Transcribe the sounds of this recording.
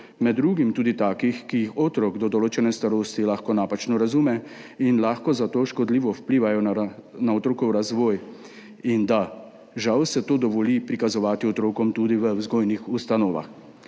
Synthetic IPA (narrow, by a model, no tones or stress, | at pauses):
mɛd̪ːɾuːɡimt̪uːd̪it̪aːkixkijixoːt̪ɾɔɡd̪ɔd̪ɔloːt͡ʃɛnɛst̪aɾoːst̪ilaxkɔnaːpat͡ʃnɔɾazuːmɛ | inlaːxkɔzat̪oːʃkɔd̪liːʋɔwpliːʋajɔnaɔt̪ɾoːkɔwɾazʋɔːj | ind̪a | ʒawsɛt̪oːd̪ɔʋɔlipɾikazɔʋaːt̪iɔt̪ɾoːkɔmt̪uːd̪iʋəwzɡoːjnixust̪anoːʋa̰x